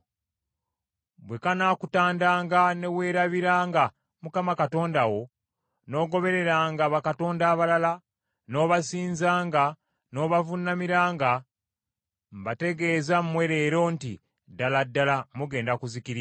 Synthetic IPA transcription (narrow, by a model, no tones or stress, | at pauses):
bwe̞kanaːkutaːndaːŋɡane̞we̞ːɾaβiɾaːŋɡa | mukamakato̞ːndawo̞ | no̞ːɡo̞βe̞ɾe̞ɾaːŋɡaβakato̞ːndaːβalala | no̞ːβasiːnzaːŋɡa | no̞ːβavunamiɾaːŋɡa | mbate̞ɡe̞ːzammwe̞ɾe̞ːɾo̞ntḭ | daladːalamuɡe̞ːndakuzikiɾia